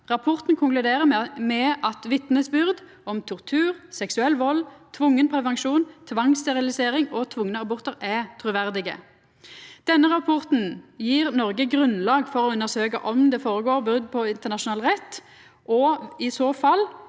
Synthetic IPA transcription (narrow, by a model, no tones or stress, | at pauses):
ʁɑpʰɔʁt̪nkʰʊŋklʉd̪eːʁəmɛmɛʔɑt̪ʋɪt̪nəsbʏɾd̪ | ɔmt̪ʰʊʁt̪ʰʉːʁsɛksʉɛlʋɔlt̪ʰʋʊŋːənpʰʁɛʋɛŋʃuːnt̪ʰʋɑŋst̪ɛʁɪlɪseːʁɪŋɔt̪ʰʋʊŋːənəɑbɔʁt̪əʁɛt̪ʰɾʉːʋæʁd̪ɪɡə̰ | d̪̥ɛnːəʁɑpʰɔʁt̪n̩jiːʁnɔʁɡəɡʁʉnlɑːɡfɔʁɔʉnːəʁsøːkə̰ʔɔmd̪ɛfoːɾəɡoːʁbʉɾd̪pʰɔɪnt̪əʁnɑʂʊnɑːlʁɛt̪ː | ʔɔɪsoːfɑl